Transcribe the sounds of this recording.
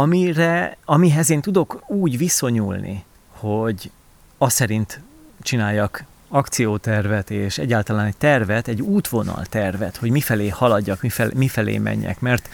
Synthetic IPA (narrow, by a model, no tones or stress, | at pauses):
ɒmiɾɛɒmiɦɛzeːnt̪ud̪o̞kuːɟviso̞ɲuːlnʔḭ | ho̞ɟ | ɒsɛɾint̪ | t͡ʃinaːjːɒk | ɒkt̪sijoːt̪ɛrvɛt̪eːʃɛ̰ɟːaːlt̪ɒlaːnɛct̪ɛrvɛt̪ɛɟːuːt̪ʋo̞nɒ̰lt̪ɛrvɛ̰t̪ho̞ɟmifɛleːhɒlɒɟːɒkmifɛmifɛlḛːmʔɛ̰ɲːɛ̰kmɛrt̪